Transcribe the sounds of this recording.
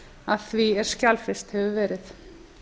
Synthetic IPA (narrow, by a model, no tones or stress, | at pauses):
aðθviɛɾ̥scalfɪst̪hɛvʏvɛːɾɪθ